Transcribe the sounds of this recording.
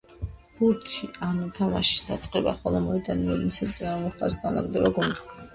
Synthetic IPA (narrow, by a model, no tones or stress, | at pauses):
b̥uɾkʰianut̪ʰamaʃi̥sd̪at̪sʼqʼɛba̰χɔlɔmɔid̪animɔd̪insʰɛnt̪ʼiɾamɔχasɡana̰ɡd̪ɛbaɡund̪i